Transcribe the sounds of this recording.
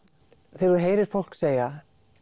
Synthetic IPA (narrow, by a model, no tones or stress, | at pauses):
θeɾuðɦeːjɾɪɾ̥fowl̥kseːja